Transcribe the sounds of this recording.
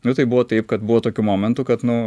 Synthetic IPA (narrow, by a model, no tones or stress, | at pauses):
nʊt̪ɐɪbuʋoːt̪ɐɪpkɐt̪bʊʋoːt̪oːkʲumoːmʲɛnt̪uːkɐt̪nʊ